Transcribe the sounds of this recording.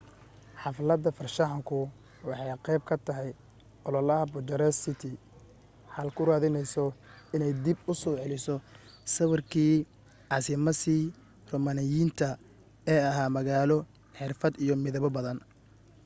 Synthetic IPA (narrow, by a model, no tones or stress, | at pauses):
ħɑflɐd̪ɐfɐrʃɐħɑŋkʰʊ | wɑħɑjqɛjb̚kʰɐt̪ʰɐɦɛj | ʔɔlɔlɐɦɐbʊd͡ʒɐɾɛsɪt̪ʰɪ | ħɐlkʰʊɾaːðɪnɛjsɔ | ɪnɛjd̪ibʊsɔːʕɛlɪsɔsɐβɐrkʰiː | ʕɑsɪmɐsiː | rɔːmanɪjiːnt̪ʰɐ | ɛːɐɦaːmɐɣaːlɔ | ħɪrfɐd̪ijɔmɪðɐβɔbɐðɐn